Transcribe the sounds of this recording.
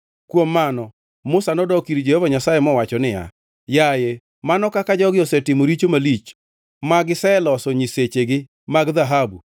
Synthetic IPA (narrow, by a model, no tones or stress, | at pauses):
kwomːanɔ | mʊsanɔdɔkiɾd͡ʒehovaɲasajemɔwat͡ʃɔnɪja̰ | jaje | manɔkakad͡ʒɔɡɪɔsɛtɪmoɾit͡ʃomalit͡ʃ | maɡɪsɛlɔsɔɲiset͡ʃeɡɪ | maɡðaɦabu